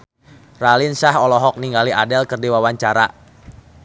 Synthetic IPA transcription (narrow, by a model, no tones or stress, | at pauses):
ralɪnsahɔlɔɦɔk̚niŋɡaliʔadɛlkərdiwawaɲt͡ʃaɾa̰